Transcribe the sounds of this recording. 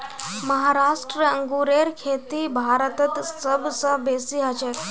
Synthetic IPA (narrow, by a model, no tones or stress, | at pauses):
məɦaɾaːʂʈɾəəŋɡuɾeɾkʰeːt̪ibʱaːɾət̪ət̪səbʱsəbesiɦat͡ʃek